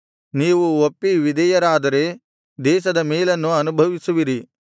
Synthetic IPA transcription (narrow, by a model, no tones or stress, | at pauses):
niːʋuopːiʋid̪ɛjɐɾaːd̪ɐɾe̞ː | d̪ɛːʃ̬ɐd̪ɐmeːlɐnːuɐnubʱɐʋisuʋiɾi